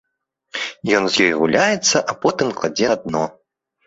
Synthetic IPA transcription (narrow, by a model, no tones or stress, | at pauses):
jɔnzʲjɔjɣulʲajɛt̪sːɐʔapɔt̪ɨmklˠad͡zʲɛd̪̚nɔ